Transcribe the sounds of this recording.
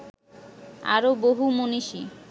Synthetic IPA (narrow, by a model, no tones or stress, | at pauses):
a̰ɾoboɦumoniʃi